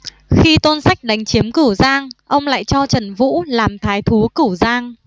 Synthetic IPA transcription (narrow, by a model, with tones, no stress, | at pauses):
xi˧t̪o˧nsa˦˥jk̟̚ɗa˨˦jŋ̟t͡ɕi˨˦əmkɨ˧˩zaː˧ŋʔə˧wŋ͡mla̰ː˧˨jt͡ɕɔ˧t͡ɕə˨˧˩nvṵ˧˥laː˨˩mt̪ʰaː˨˦jt̪ʰu˨˦kɨ˧˩zaː˧ŋ